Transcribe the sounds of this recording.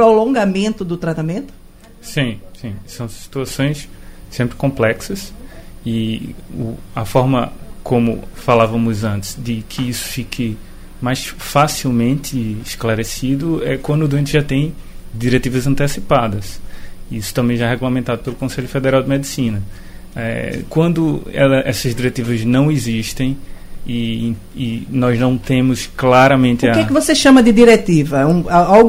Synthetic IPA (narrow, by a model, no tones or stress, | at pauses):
pɾolõŋɡamẽnt̪ʊd̪ʊt̪ɾat̪amẽnt̪ʊ̥ | sĩsĩsɐ̃w̃si̥t̪uasõj̃ssẽpɾɪkõmplɛksɐsɪʊ̰ɐfɔɾmɐkõmʊ̰falavɐmʊzɐ̃nt̪ɪ̥zd̪ɪkʰɪisʊ̥fikʰɪ | majsfasiwmẽnt̪ɪːʃklaɾesid̪ʊɛkwɐ̃nd̪ʊd̪uẽnt̪ɪʒat̪ẽj̃d̪iɾet̪ivɐzɐ̃nt̪esipad̪ɐsisʊ̥t̪ɐ̃bẽj̃ʒaɛɦɛɡulɐmẽnt̪ad̪ʊpelʊkõseʎʊfed̪eɾawd̪ɪmed̪isĩnɐ | ɛ̰kwɐ̃nd̪ʊɛ̰lɐʔɛsɐzd̪iɾet̪ivɐznɐ̃w̃iziʃt̪ẽj̃iː | nɔznɐ̃w̃t̪ẽmʊsklaɾɐmẽnt̪ɪɐkekɪvoseʃɐ̃mɐd̪ɪd̪iɾet̪ivɐũaawɡ